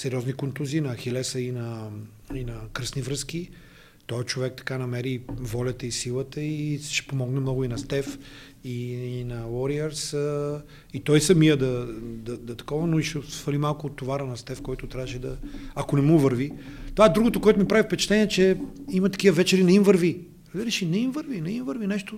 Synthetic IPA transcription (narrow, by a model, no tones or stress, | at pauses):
sɛɾiɔznikont̪uziːnɐxɛlɛsɐinɐ | inɐkɾəsnivɾɤsk̟i | t̪ɔɛt͡ʃovɛk̚t̪ɐ̥kanɐmɛɾivɔlʲɐt̪əisilˠət̪əiʃɛ̥pomɔɡnɛmnɔɡʊinɐst̪ɛf | iːnɐwɔɾiəɾsə | it̪ɔjsɐmijəd̪ɐd̪ɐd̪ɐt̪ɐ̥kɔvɐnoiʃɛsfɐlimalˠkʊːt̪ːovaɾənɐst̪ɛfkɔjt̪ʊt̪ɾʲavəʃɛd̪ɐɐkonɛmuvəɾvi | t̪ovad̪ɾuɡot̪okoɔɛt̪ʊmipɾavifpɛt͡ʃɛ̥t̪ɛniɛt͡ʃɛimɐt̪ɐ̥k̟ivəvɛt͡ʃɛɾinɐimvəɾvi | d̪əɾɛʃinɛimvəɾvinɐimvəɾvinɛʃt̪o